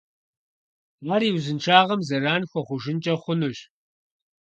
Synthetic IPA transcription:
aːɾiːwzɨnʈ͡ʂʰaːʁɐmzɐraːnxʷɔχʷʊʒɪnt͡ʃʼɐχʷʊnuːɕ

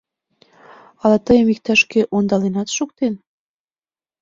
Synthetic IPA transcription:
ɑlɑt̪əjəmik̚t̪æʃkeʔond̪ɑlenɑt̪ʃuk̚t̪en

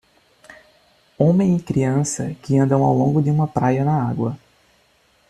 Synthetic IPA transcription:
õmẽj̃ɪkɾiɐ̃sɐkɪɐ̃nd̪ɐ̃w̃awlõŋɡʊd̪ɪũmɐpɾajɐnɐaɡwɐ

